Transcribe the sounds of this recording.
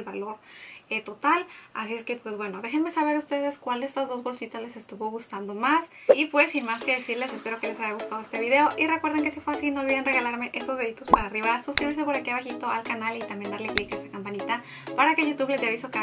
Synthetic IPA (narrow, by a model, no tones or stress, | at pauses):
lβaloɾet̪o̞t̪ala̰sie̞ske̞pwe̞zβwenoðe̞xenme̞saβeɾaust̪e̞ðe̞skwald̪est̪azðo̞zβo̞lsit̪azlese̞st̪uβoɣust̪and̪o̞masipwe̞sːinmaske̞ðe̞siɾle̞se̞spe̞ɾo̞ke̞lesaʝaɣust̪aðoe̞st̪e̞βiðe̞oʔirekwe̞ɾðeŋkesifwasinolβiðenre̞ɣalaɾme̞ʔe̞st̪o̞zðe̞lit̪o̞spaɾaːriβasosk̪ɾiβeɾs̬epoɾakiβaxit̪o̞alkanalit̪amjend̪aɾleklikest̪akampanit̪a | paɾakeʝut̪uβlezd̪eaβisoka